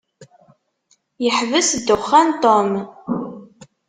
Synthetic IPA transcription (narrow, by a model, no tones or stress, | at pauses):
jəħvəsd̪ːʊχːænt̪ˤom